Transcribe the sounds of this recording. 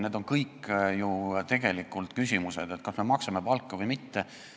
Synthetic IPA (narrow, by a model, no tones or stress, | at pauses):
ned̪o̞nkɤjkːjut̪e̞ɡ̥e̞likːˑult̪kysʲimuse̞d̪̥e̞t̪̚kɑsme̞mɑksɑme̞pɑlkːɑvujmit̪ːe